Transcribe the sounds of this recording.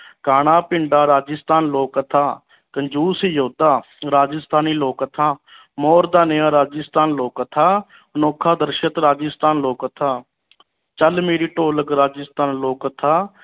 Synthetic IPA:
kaːɽ̃aːpɪɳɖaːɾaːd͡ʒəst̪aːnloːkət̪ʰaː | kəɲd͡ʒuːsiːjoːd̪aː | ɾaːd͡ʒəst̪aːniːloːkət̪ʰaː | moːɾd̪aːnəãːɾaːd͡ʒəst̪aːnloːkət̪ʰaː | ənoːkʰaːd̪əɾʃət̪ɾaːd͡ʒəst̪aːnloːkət̪ʰaː | t͡ʃəlmeːɾiːʈoːləkɾaːd͡ʒəst̪aːnloːkət̪ʰaː

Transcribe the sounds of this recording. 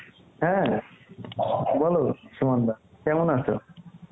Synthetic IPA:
ɦɛ̃ | bʱɔlosumand̪akɛmonaso̰

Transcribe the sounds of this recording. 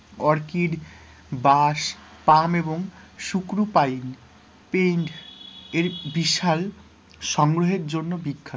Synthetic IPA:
ɔɾkiɾ | baʃ | pameboŋʃukɾupajn | peɖeɾbiʃal | ʃɔŋɡɾoɦeɾd͡ʑonːobikʰːa

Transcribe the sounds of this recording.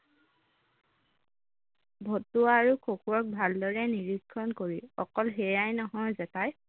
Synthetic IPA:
bʱotuaɹukʰokʰuɔk̚bʱaldɔɹɛniɹikʰːɔnkoɹiɔ̰kɔlɦɛjajnɔɦɔjzɛtaj

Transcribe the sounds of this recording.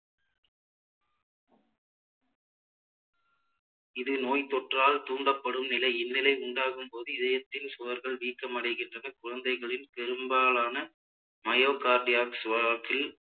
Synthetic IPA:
ɪðɯnoːjt̪ːɔʈraːlt̪uːɳɖɐpːɐɽɯmnɪlɐɪɪnːɪlɐɪʊɳɖaːɣɯmpoːðɯɪðɐjɐt̪ːɪnsʊʋɐɾɣɐɭʋiːkːɐmɐɽɐɪɣɪndrɐnɐkʊɻɐnd̪ɐɪɣɐɭɪnpɛɾɯmbaːlaːnɐ | mɐjoːkaːɾɖɪjaːksʋakɪl

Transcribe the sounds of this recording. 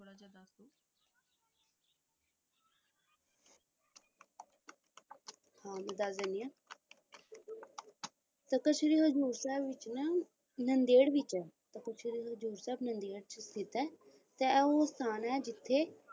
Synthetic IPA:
hãːmɛ̃d̪asd̪ɛːnd̪iãː | t̪əkəʃɾiːɦəd͡ʒuːɾsɛːbʋɪt͡ʃnə | nənd̪eːɽʋɪt͡ʃɛːt̪əkəʃɾiːɦəzuːɾsɛːbnənd̪eːɽt͡ʃst̪ɪt̪ɛː | t̪eɛoːst̪ʰaːnɛːd͡ʒɪt̪ʰːeː

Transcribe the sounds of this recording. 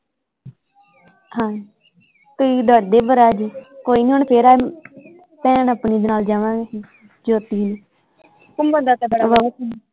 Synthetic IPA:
ɦãː | kəiːd̪aːd̪eːbəɾaːd͡ʒkoːiːnĩːɦoːɳpʰeːɾaː | pɛ̃ːnəpɳiːd̪enaːld͡ʒaːʋãːe | d͡ʒoːt̪iːniː | kʊmbəd̪aːt̪ebəɽʋa

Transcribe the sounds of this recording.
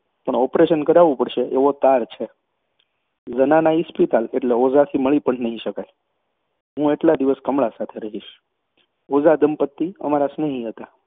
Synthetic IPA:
pəɳɔpɾeʃənkəɾaʋũpəɽʃeʔeʋot̪aɾt͡ʃʰe | d͡ʒənanaispit̪aleʈleozat̪ʰiməɭipəɳnəɦĩʃəkaj | ɦũeʈlad̪iʋəskəmɭasat̪ʰeɾəɦiʃ | od͡ʒad̪əmpət̪ːiəmaɾasnəɦĩɦət̪a

